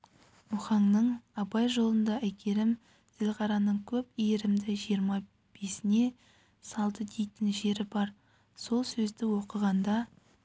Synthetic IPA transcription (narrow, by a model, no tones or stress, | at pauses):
mʊχɑɴnəɴɑbɑjʒo̞lˠənd̪ɑʔækʲʰe̞ɾɪm | z̥ɪlʁɑɾɑnəɴkʲʰɵpijɪɾɪmd̪ɪʒijəɾmɑ | b̥e̞sɪne̞ | sɑlˠd̪əd̪e̞jt̪ɪnʒe̞ɾɪbɑɾ | so̞lˠsɵzd̪ɪwo̞qəʁɑnd̪ɑ